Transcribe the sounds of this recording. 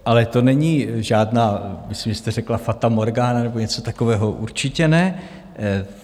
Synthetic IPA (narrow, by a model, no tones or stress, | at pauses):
ʔalɛt̪o̞nɛɲiːʒaːdnaːmɪslimɪst̪ɛr̝ɛklafat̪amoɾɡaːnanɛboɲɛt͡so̞t̪ako̞vɛːɦo̞ʔuɾt͡ʃɪcɛnɛ